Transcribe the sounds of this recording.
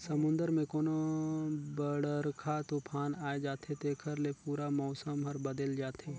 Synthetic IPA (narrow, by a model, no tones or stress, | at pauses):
sɐmʊ̃nd̪əɾmẽkoːno | bəɽəɾkʰat̪opʰaːnaːed͡ʒaːt̪ʰet̪eːkʰəɾlepuːɾamɔːsəmɦɐɾbɐd̪əld͡ʒaːt̪ɦe